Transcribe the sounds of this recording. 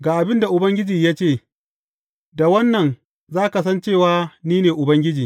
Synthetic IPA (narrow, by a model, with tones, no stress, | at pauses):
ɡaː˨ʔa˨bɪ˦nda˨ʔʊ˨bɐ˦ŋɡʲɪ˦d͡ʒiː˨jaː˦t͡ʃeː˦˨ | da˨wɐ˦nːɐ˨n | zaː˦ka˨s̬ɐ˦nt͡ʃeː˦˨waː˦niː˦neː˨ʔʊ˨bɐ˦ŋɡʲɪ˦d͡ʒiː˨